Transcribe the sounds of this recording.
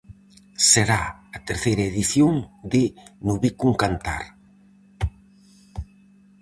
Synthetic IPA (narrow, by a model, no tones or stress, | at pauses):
seɾaɐt̪eɾθejɾɐeðiθjoŋd̪ɪnuβikuŋkant̪a̰ɾ